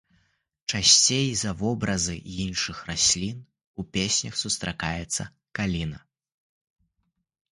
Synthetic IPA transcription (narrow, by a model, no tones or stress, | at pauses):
t͡ʂasʲt͡sʲejzɐvɔbɾɐzɨinʂɨxrasʲlʲin | upʲesʲnʲɐxsust̪ɾakajɛt̪sːɐ̰ | kalʲinɐ